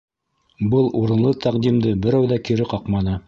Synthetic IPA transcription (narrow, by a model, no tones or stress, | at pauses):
bɤlˠuɾɤ̆nlˠɤt̪ʰæqd̪imd̪ɘbɘ̆ɾæwðækiɾɘqɑqmɑnɤ